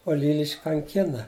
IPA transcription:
oː ˈlʲiːlʲɪʃʲkʲ kɐŋʲˈkʲɪnɐ

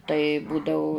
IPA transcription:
tɐɪ ˈbuːdɐʊ

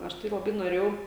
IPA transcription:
ˈɐʃ tɐɪ lˠɐˈbɐɪ noːˈrʲeːjɛʊ

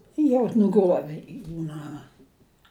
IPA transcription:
jɛʊ nʊˈɡruɔʋʲɪ ˈjuː ˈnɑːmɐ

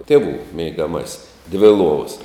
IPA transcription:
ˈtʲeːˌʋuː mʲɛɪɡɐˈmɑːsʲɪs dʲʋʲɪ ˈlˠuɔʋɐs

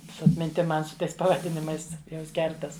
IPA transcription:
sʊ ɐtʲmʲɪnʲˈtʲɪm ˈmɐn sʊ ˈtɐɪs pɐʋɐˈdʲɪnʲɪmɐɪs ˈjʊms ˈkʲɛrtɐs

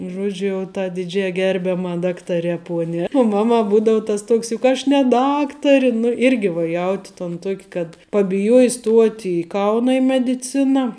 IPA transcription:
ˈʒuɔd͡ʒʲʊ jɛʊ tɐ dʲɪˈd͡ʒʲɛɪ ˈɡʲɛrʲbʲɛmɐ ˈdɑːktɐrʲɛ ˈpuɔnʲɛ ʊ ˈmɑːˌmɐ ˈbuːdɐʊ ˈtɐs ˈtuɔks jʊk ˈɐʃ nʲɛ ˈdɑːktɐrʲɪ nʊ ˈɪrʲɡʲɪ ʋɐ ˈjɛʊtʲɪ toːn ˈtuɔkʲ kɐt pɐbʲɪˈjuɔjɪ ˈstuɔtʲ ɪ ˈkɐʊnɐ ɪ mʲɛdʲɪˈt͡sʲɪnɑː

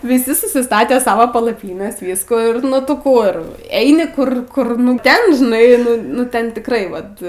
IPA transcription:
ʋʲɪˈsʲɪ sʊsʲɪˈstɑːtʲeː ˈsɑːʋoː pɐlˠɐˈpʲiːnʲɛs ˈʋʲiːskuː ɪr ˈnʊ tʊ ˈkʊr ˈɛɪnʲɪ ˈkʊr ˈkʊr nʊ ˈtʲɛn ʒʲɪˈnɐɪ nʊ ˈnʊ ˈtʲɛn tʲɪkˈrɐɪ ʋɐt

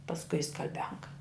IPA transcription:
pɐsˈkʊɪ ɪ skɐlʲˈbʲɛŋkɐ

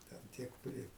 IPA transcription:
tʲɛn ˈtʲiɛk ˈpʲrʲɪ

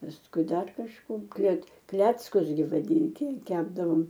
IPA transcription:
pɐsˈkʊɪ ˈdɐr kɐʃˈkoː klʲɛt ˈklʲæːt͡skʊs ɡʲɪ ʋɐˈdʲɪnʲtʲɪ ˈkʲæːbdɐʋoːm

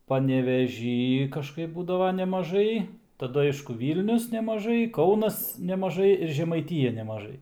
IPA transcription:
pɐnʲɛʋʲɛˈʒʲiː kɐʃˈkɐɪp ˈbuːdɐʋɐ nʲɛmɐˈʒɐɪ tɐˈdʊ ˈɐɪʃkʊ ˈʋʲiːlʲnʲʊs nʲɛmɐˈʒɐɪ ˈkɐʊnɐs nʲɛmɐˈʒɐɪ ɪr ʒʲɛmɐɪˈtʲɪjɛ nʲɛmɐˈʒɐɪ

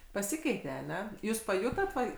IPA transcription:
pɐˈsʲɪkʲɛɪtʲeː ɐˈnʲɛ ˈjuːs pɐˈjʊtoːt ˈʋɐ

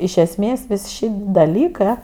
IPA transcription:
ɪʃ ɛsʲˈmʲeːs ˈʋʲɪs ˈʃʲɪtʲ dɐˈlʲiːkɜ

